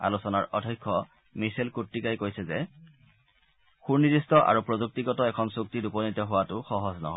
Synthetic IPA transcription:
a̰lusɔnaɹʔɔdʱɔjkʰːɔ | misɛlkutːikajkojsɛzɛ | xuɹnidistɔʔa̰ɹupɹozuk̚tiɡɔtɔɛkʰɔnsuk̚tidupɔnitɔɦʊwatʊxɔɦɔznɔ̰ɦɔj

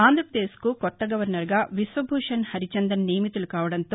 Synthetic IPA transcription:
aːnd̪ɾɐpɾɐd̪eːskukɔt̪ːɐɡɐʋɐɾnɐɾɡaːʋisʋɐbʱuːʂɐnhɐɾit͡ʃɐnd̪ɐnneːmit̪ulukaːʋɐɽɐnt̪o

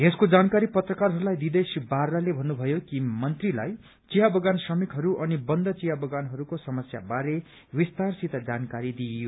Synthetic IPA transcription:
ɦeskod͡zankaɾipʌt̪rʌkarɦʌɾulajd̪id̪esibaralebʱʌnːubʱʌjokimʌnt̪rila̰j | t͡siɦabʌɡansʌmikɦʌɾuʔʌnibʌnd̪ʱʌt͡sijabʌɡanɦʌɾukosʌmʌsja̰baɾe | wist̪arsit̪ʌd͡zankaɾid̪ijo

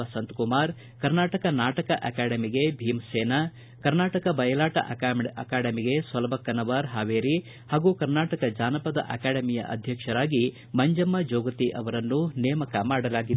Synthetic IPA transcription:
ɐsɐnt̪kumaːɾ | kɐɾnaːʈɐkɐnaːʈɐkɐʔɐkaːɽɐmiɡe̞bʱiːmseːnɐ | kɐɾnaːʈɐkɐbɐjɐlaːʈɐ̰ʔɐkaːɽɐmiɡe̞sʋɐlɐbɐkːɐnɐʋaɾɦaːʋeːɾi | haːɡukɐɾnaːʈɐkɐd͡ʒaːnɐpɐd̪ɐ̰ʔɐ̰kaːɽɐmijɐ̰ʔɐ̰d̪ʱjɐkʂɐɾaːɡi | mɐɲd͡ʒɐmːɐd͡ʒoːɡɐt̪iʔɐʋɐɾɐnːunɛːmɐkɐmaːɽɐlaːɡid̪

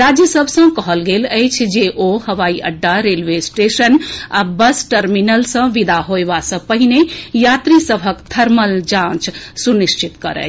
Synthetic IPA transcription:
ɾad͡ʒjəsəbʱsə̃kəɦəlɡeləjt͡ʃʰd͡ʒeʔohəʋaiʔəɖːaɾelʋesʈesənabəsʈəɾminəlsə̃ʋid̪aɦoeʋasə̃pəɦinejat̪ɾisəbʱəkd̪ʰʱəɾməld͡ʒãt͡ʃsuniʃt͡ʃʰit̪kəɾə̰

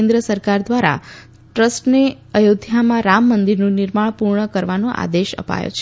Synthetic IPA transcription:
nd̪ɾəsəɾkaɾd̪ʋaɾa̰ | ʈɾəsʈne | əjod̪ʱjamãɾamːənd̪iɾnũnɪɾmaɳpuɾɳəkəɾʋanõʔa̰d̪eʃə̰pa̰jo̰t͡ʃʰe

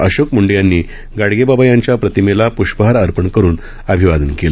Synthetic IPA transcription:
əɕokmuɳɖjanːiː | ɡaɽɡebabajaɲt͡ɕjapɾət̪imelapuɕpəɦaɾəɾpəɳkəɾuːn | əbʱiʋad̪ənkel

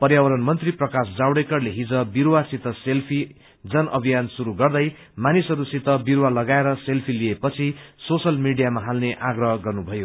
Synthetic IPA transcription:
pʌrjawʌɾʌnmʌnt̪riprʌkasd͡zawɽekʌrleɦid͡zʌbiɾwasit̪ːʌselpʰi | d͡zʌnʌbʱijansuɾuɡʌrd̪ʌj | manisʌɾusit̪ʌbiɾwalʌɡaeɾʌselpʰiliepʌt͡sʰisosʌlmiɽijamaɦalneʔaɡrʌɦʌɡʌrnubʱʌjo

